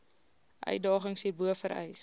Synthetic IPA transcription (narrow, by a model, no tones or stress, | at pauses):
ʔœ̰ɥ̚dɑːχəŋsiːbuəfəɾɛ̰js